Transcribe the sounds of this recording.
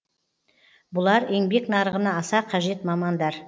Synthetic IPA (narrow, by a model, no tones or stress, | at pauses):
bʊlˠɑɾe̞ŋbe̞knɑɾəʁənɑːsɑqʰɑʒe̞t̪mɑmɑnd̪ɑɾ